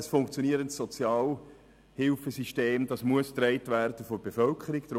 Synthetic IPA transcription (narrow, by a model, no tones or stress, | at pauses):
əsfʊŋkt͡sjoniəɾəntsɔt͡sjɑːl | hɪlfəsiʃteːmd̥ɑsmuəst̪rɛɪtværd̥əfɔrbefœlkʰəɾikd̥əɾ